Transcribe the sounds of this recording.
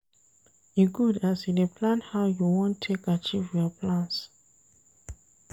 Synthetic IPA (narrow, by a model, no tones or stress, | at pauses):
iɡudasidepʰlãnhaʊjuwɔ̃ntʰekat͡ʃivjɔpʰlãns